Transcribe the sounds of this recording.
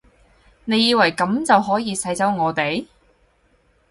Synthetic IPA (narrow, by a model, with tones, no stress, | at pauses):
ne˨˧jiː˧wɐ˨˩jkɐ˨˥mt͡sɐ˨wɦɔː˨˥jiː˧sɐ˧˥jt͡sɐ˨˥wŋɔː˨˧t̪e˨j